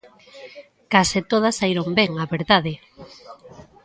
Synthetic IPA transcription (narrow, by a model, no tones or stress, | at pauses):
kasɪt̪oð̞ɐsaiɾombɛŋaβeɾðaðɪ